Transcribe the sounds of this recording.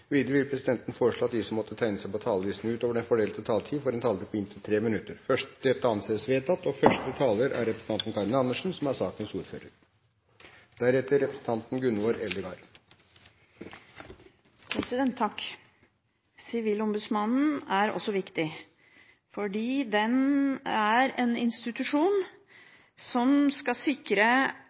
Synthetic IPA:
ʋiːd̪əɾəʋɪlpʰɾɛsɪd̪ɛnt̪nfoːɾəʂɭoːɑt̪̚d̪isɔmːɔt̪ːət̪ʰæɪnəsæɪpɔt̪ʰɑːləʋiːsn̩ʉːt̪oːʋəɖɛnfɔɖeːlt̪ət̪ʰɑːlt̪ʰiːfɔɾɛnt̪ʰɑːləɾpʰɔɪnt̪ʰɪlt̪ʰɾeːmɪnʉt̪ːəɾfœʂd̪̥ɛt̪ːəɑnseːəsʋeːt̪ʰɑt̪ːɔfœʂʈət̪ʰɑːləɾʔæ̰ɾɾɛpɾəsn̩ʰɑnt̪n̩kʰɑɾnəɑnːəʂn̩sɔmæɾsɑːkənsuːɾføːɾəɾ | d̪̥æɾɛt̪ːəɾːɛpɾəsn̩t̪ʰɑnt̪n̩ɡʉnʊəɾɛld̪əɡɑːɾ | pʰɾɛsɪd̪ɛnt̪ʰːɑk | sɪʋiːlɔmbʉsmɑnn̩æɾɔ̰sɔʋɪkt̪ɪ | fɔɖiːd̪ɛnæɾeːnɪnst̪ɪt̪ʉʂuːn | sɔmskɑsɪkɾə

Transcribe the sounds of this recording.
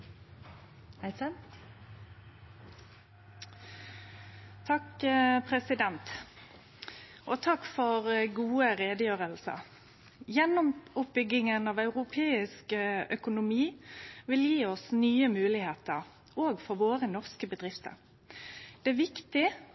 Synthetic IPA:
hæs | t̪ʰɑkpʰʁɛsɪd̪ɛnt̪ | ʔoːt̪ʰɑkːfɔʁɡuːəʁeːd̪əjøːʁəlsə̰ | jɛnːɔmʊp̚bʏɡɪŋənɑːʋɑʉʁʊpʰeːɪskəœkʊnʊmiːʋɪljiːɔsnyːəmʉːlɪheːt̪əʁ | oːɡfɔʁʋoːʁənɔʁskəbəd̪ʁɪft̪ə̰ʁ | d̪̥ɛæʋɪkt̪ɪ

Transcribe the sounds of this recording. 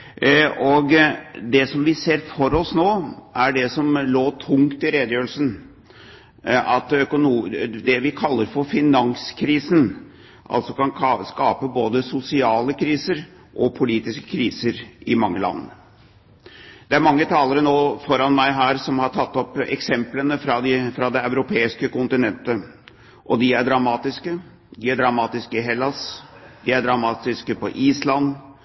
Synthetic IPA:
ʔɔɡd̪ɛsɔmʋɪseːɾfɔɾɔsnoːʔæɖɛsɔmloːt̪ʰʊŋkt̪ɪɾeːd̪əjøːɾəlsən | ɑt̪œkʊnud̪ɛʋɪkʰɑlːəɾfɔɾfɪnɑŋskʰɾiːsən | ʔɑ̰lsɔkʰɑnʰskɑːpəboːd̪əsʊsɪɑːləkʰɾiːsəɾ | ʔɔpʰʊliːt̪ɪskə̥kʰɾiːsəɾʔɪmɑŋːəlɑ̰nːə | d̪̥ɛæɾmɑŋːət̪ʰɑːləɾənoːfɔɾɑnmæɪɦæːɾsɔmhɑʈʰɑt̪ːɔpɛ̰ksɛmplənəfɾɑd̪ɪfɾɑd̪ɛɑʉɾʊpʰeːɪskəkʊnt̪ɪnɛnt̪ə | ʔɔd̪ɪæɖɾɑmɑːt̪ɪskə | d̪ɪæɖɾɑmɑːt̪ɪskəɪɦɛlːɑsd̪ɪæɖɾɑmɑːt̪ɪskəpʰɔʔiːslɑnː

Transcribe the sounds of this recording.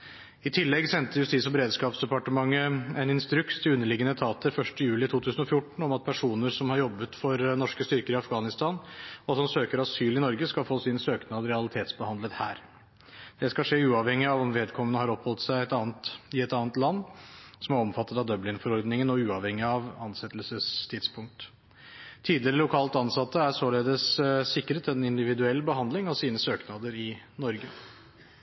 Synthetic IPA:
ɪt̪ʰɪlːɛɡsɛnt̪əɾjʉst̪iːsɔbəɾeːd̪skɑːpsd̪ɛpɑʈəmɑŋːəɛnɪnst̪ɾʉkst̪ʰɪlʉnːəɭɪɡənət̪ʰɑːt̪ʰəɾfœʂʈəjʉːlɪt̪ʰuːt̪ʰʉːsən̩ɔfjʊʈːɳ̩ɔmɑt̪̚pʰæʂuːnəɾsɔmhɑɾjɔbːət̪fɔɾnɔʂkəst̪ʏɾkəɾɪɑfɡɑːnɪst̪ʰɑːnɔɑt̪hɑmsøːkəɾɑsyːlɪnɔɾɡəskɑlfoːsɪnsøːknɑd̪ɾɛɑlɪt̪ʰeːt̪sbəhɑnd̪lət̪hæ̰ːɾ | d̪̥ɛskɑʂeːʉːɑʋhɛŋːɪɑʋɔmʋeːd̪kʰɔmːənəhɑɾɔphɔlt̪sæɪɛt̪ɑːnt̪ɪɛt̪ɑːnət̪lɑnːsɔmæɾɔmfɑt̪ːət̪ɑd̪œblɪŋfɔɾɔɾd̪nɪŋənɔʉːɑʋhɛŋːɪɑʋɑnsɛt̪ːlsəst̪ʰɪd̪spʰʊŋk̚t̪ʰː | iːd̪lɪɾəlʊkʰɑːlt̪ɑnsɑt̪ːəæsoːleːd̪əsːɪkːəɾət̪ʰɛnɪnd̪ɪʋɪd̪ʉɛlːbəhɑnd̪lɪŋɑʋsiːnəsøːknɑd̪əɾɪnɔɾɡə

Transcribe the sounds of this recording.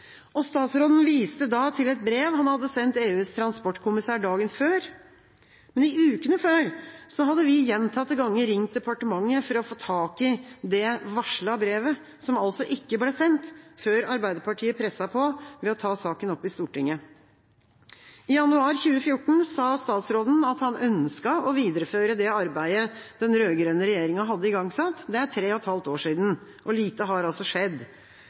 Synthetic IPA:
ʔɔst̪ɑːt̪sɾoːd̪n̩ʋiːst̪əd̪ɑt̪ʰɪlɛt̪̚bɾeːʋhɑnhɑd̪ːəsɛnt̪eːʉːst̪ʰɾɑnspɔʈːkʰʊmɪsæːɖɑːɡənføːɾ | mɛnɪʉːkənəføːɾsɔɦɑd̪ːəʋɪjɛnt̪ʰɑt̪ːəɡɑŋːəɾɪŋt̪̚d̪ɛpɑʈəmɑŋːəfɔɾɔfoːt̪ʰɑːkɪd̪ɛʋɑʂɭɑbɾeːʋə | sɔmɑlsɔʔɪkːəblɛːsɛnt̪føːɾɑɾbæɪd̪əpʰɑʈʰiːəpʰɾɛsɑpʰɔʋɛɔt̪ʰɑːsɑːkənɔpːɪst̪uːʈɪŋːə | ɪjɑnʉɑːɾçʉːəfjʊʈːɳ̩sɑːst̪ɑːt̪sɾoːd̪n̩ɑt̪hɑnœnskɑɔʋiːd̪əɾəføːɾəd̪ɛɑɾbæɪəd̪̥ɛnɾøːɡɾøːnəɾɛjeːɾɪŋɑɦɑd̪ːəɪɡɑŋsɑt̪ːd̪ɛæʈʰɾeːɔɛt̪hɑlt̪oːʂiːd̪n̩ | ʔɔliːt̪əɦɑɾɑlsɔʂɛd̪ː

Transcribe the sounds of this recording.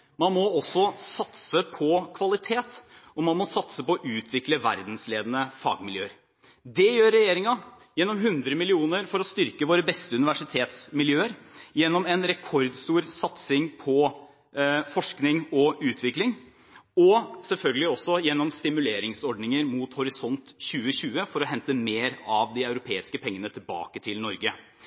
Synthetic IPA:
mɑnmɔɔsːɔsɑt̪səpʰɔkʰʋɑlɪt̪ʰeːt̪ɔmɑnmɔsɑt̪səpɔʔʉːt̪ʰʋɪkləʋæ̰ɾd̪n̩sleːd̪ənəfɑ̰ːɡmɪljø̰ːəɾ | d̪ɛjøːɾɛjeːɾɪŋɑ | jɛnːɔmɦʉnd̪ɾəmɪlɪuːnəɾfɔɾɔst̪ʏɾkəʋoːɾəbɛst̪əʉnɪʋæʂɪt̪ʰeːt̪smɪljøːəɾjɛnːɔmɛnɾɛkʰɔɾd̪st̪uːɾsɑt̪sɪŋpʰɔ | fɔʂknɪŋɔʉːt̪ʰʋɪklɪŋ | ɔsɛlfœlɡəlɪɔsɔjɛnːɔmst̪ɪmʉleːɾɪŋsɔɖnɪŋəɾmuːt̪hʊɾɪsɔnt̪çʉːəɕʉːəfɔɾɔɦɛnt̪əmeːɾɑʋd̪ɪɑʉɾʊpʰeːɪskəpʰɛŋːənət̪ʰɪlbɑ̰ːkət̪ʰɪlnɔɾɡə

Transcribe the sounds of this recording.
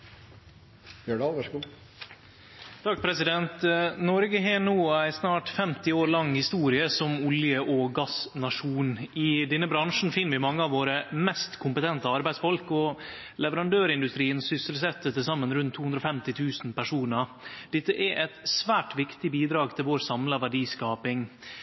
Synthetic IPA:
øɖɑʋæʂɡuː | t̪ʰɑk̚ːpʰɾɛsɪd̪ɛnt̪nɔɾɡəɦeːɳuːæɪsnɑːʈfɛmt̪ɪoːɾlɑŋːhɪst̪uːɾɪəsɔmʊljəʔɔɡɑsnɑʂuːnɪd̪ɛnːəbɾɑŋʂn̩fɪnːʋɪmɑŋːəɑʋoːɾəmɛst̪kʰʊmpət̪ʰɛnt̪əɑɾbæɪsfɔlkɔ | lɛʋəɾɑnd̪øːɾɪnd̪ʉst̪ɾiːənsʏsəlsɛt̪ːət̪ɪlsɑmːənɾʉnt̪ʰːuhʉnd̪ɾɔfɛmt̪ɪt̪ʰʉːsn̩pæʂuːnəɾd̪ɛt̪ːəʔɛʔɛt̪sʋæːʈʋɪkt̪ɪbiːd̪ɾɑːɡ̚t̪ʰɪlʋoːɾsɑmləʋæɖiːskɑːpɪŋ

